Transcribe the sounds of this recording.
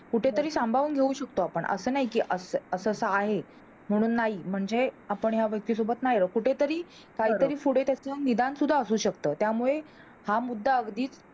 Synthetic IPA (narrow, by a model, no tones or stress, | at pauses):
kuʈʰet̪əɾiːsambʱaʋuːnɡʱeuɕək̚t̪oapəɳʔə̰səːnaɦikiːʔəsəəsəsəaɦe | m̤əɽ̃uːnːaɦim̤əɳd͡zeapəɳɦjaʋjək̚t̪iːsobət̪naɦjɾəkuʈʰet̪əɾiː | kaɦiːt̪əɾiːfuɽet̪jat͡senid̪ansud̪ʱːaəsuːɕəkt̪əːt̪jamuɭe | hamud̪ʱːaəɡd̪iːt͡s